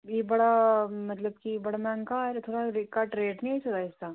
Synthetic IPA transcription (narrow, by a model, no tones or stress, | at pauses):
jebɐɽamɐt̪ləbkibɐɽamãːŋkaɾt̪ʰoːɽaɾɪkaʈɾeːʈnĩsoːt̪aɪsa